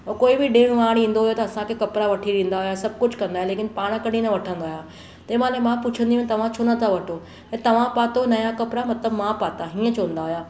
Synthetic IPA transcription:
oɾkoːibɪɖeːɽ̃ʋaːɽ̃ĩːn̆d̪oɦʊjot̪ɐɐsãkʰekɐpɾaʋɐʈʰiɾẽːnd̪aɦʊjasɐb̚ʱkʊd͡ʑʱkɐ̃nd̪aːɦẽleːkɪnpaːɽ̃kɐɽinɐʋɐʈʰə̃nd̪aɦjaː | t̪ɐ̃ːmãːnẽmãpʊt͡ɕʰə̃nd̪iũt̪ɐʋ̤ãt͡ɕʰoːnɐt̪ʰaʋɐʈʰo | ẽt̪ɐʋ̤ãpaːt̪onɐjakɐpɾamɐt̪ləbmãpaːt̪aɦĩːə̃t͡ɕʰoə̃n̆d̪aːɦʊjaː

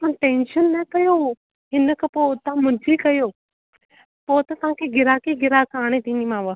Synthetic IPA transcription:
ãːʈẽːnʃənːɐkɐjo | ɦɪnəkʰəpoʊt̪ãmʊ̃d͡ʑikɐjoː | poːt̪ɐt̪ɐʋãːkʰeɡɪɾaːkeɡɪɾakaːɽ̃et̪ĩːnimãːʋə

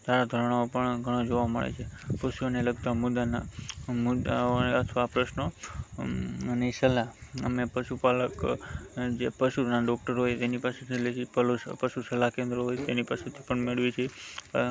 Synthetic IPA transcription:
t̪aɾad̪ʱəɾɽ̃aopəɳɡʱəɽ̃od͡ʒoʋamə̰ɭḛt͡ʃʰepəʃuoneləɡ̚t̪amʊd̪anamʊd̪aət̪ʰʋaapɾəʃno | nesəlaə̰mepəʃupalək | d͡ʒepəʃunaɖɔk̚ʈəɾɦojt̪enipaset̪ʰelet͡ʃipəlpəʃusəlakẽnd̪ɾəɦojt̪enipaset̪ʰi̥pəɳmeɭʋit͡ʃʰe

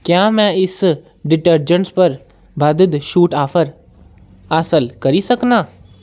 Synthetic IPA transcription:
kjaːmɛ̃ɪs | ɖɪʈəɾd͡ʒəɳspɐɾ | bʱɐd̪əd̪ʃuːʈaːfʰəɾ | asəlkɐɾisɐknaː

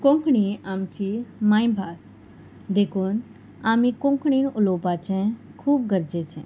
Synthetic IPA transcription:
kõŋkɽiaːmt͡ʃimaːĩbʱaːs | d̪ekʰuːn | aːmikõŋkɳ̃inʊloːpat͡ʃɛ̃kʰuːbɡəɾd͡ʒet͡ʃʰɛ̰̃

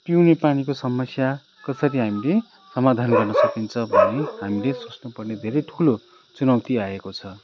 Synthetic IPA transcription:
piwnepanikosʌmʌsja | kʌsʌɾiɦamile | sʌmad̪ʱanɡʌrnʌsʌkint͡sʰʌbʱʌneɦamilesot͡snupʌrned̪ʱeɾʌjʈʰulo | t͡sunʌwt̪iaekot͡sʰʌ

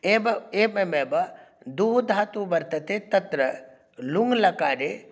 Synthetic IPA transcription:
eːbɐeːbemeːbɐd̪uɦd̪ʱaːt̪uːbɐɾt̪ɐt̪et̪ɐt̪ɾɐ | luŋɡlɐkaːɾe

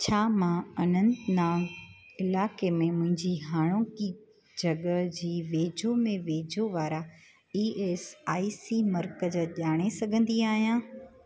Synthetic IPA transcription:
t͡ɕʰaːmãɐnə̃nd̪nãː | ɪlaːkemẽmʊ̃ɦɪ̃ɲd͡ʑiɦaːɽ̃õki | d͡ʑɐɠəd͡ʑiːʋeːd͡ʑomẽʋeːd͡ʑoʋaːɾa | iːʔeːsaːisimɐɾkəzʄaːɽ̃esɐɡʱə̃nd̪iaːɦijãː

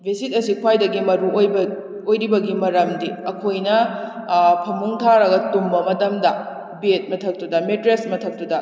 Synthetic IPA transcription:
bʱesitɐsikʰwajdɐɡimɐɾuojbɐ | ojɾibɐɡimɐɾɐmdiɐkʰojnɐ | pʰɐmuŋtʰaɾɐɡɐtumbɐmɐtɐmdɐ | biet̚mɐtʰɐk̚tudɐmetɾesmɐtʰɐk̚tudɐ

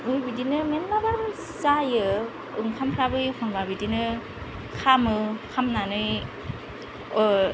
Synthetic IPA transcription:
ɯjbidinɯmenmabaɾɯ | sajɯ | ɯŋkʰampʰɾabɯjkʰɔŋbabidinɯ | kʰamɯkʰamnanɯj

